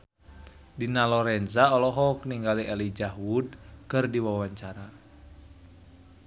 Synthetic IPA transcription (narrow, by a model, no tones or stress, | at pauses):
dinalɔɾɛnzaɔlɔɦɔkniŋɡaliʔɛlid͡ʒahwud̚kɨrdiwawaɲt͡ʃaɾa